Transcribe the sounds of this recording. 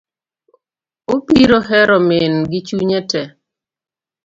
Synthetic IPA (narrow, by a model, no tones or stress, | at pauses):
opiɾoɦɛɾɔmenɡɪt͡ʃuɲɛtɛ